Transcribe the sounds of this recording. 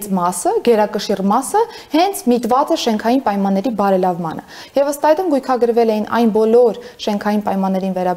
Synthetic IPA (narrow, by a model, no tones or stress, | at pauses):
t͡smɑsəɡɛɾɑkəʃirmɑsəhɛnt͡sʰmit̪vɑt͡səʃɛŋkʰɑjinpɑjmɑnːɛɾibɑɾɛlɑvmɑ̰nə̰ | jɛvəst̪ɑɛd̪umɡujkʰɑɡəɾvɛlɛjinʔɑ̰jnbɔlɔɾʃɛŋkʰɑjinpɑjmɑnːɛɾinvɛɾɑ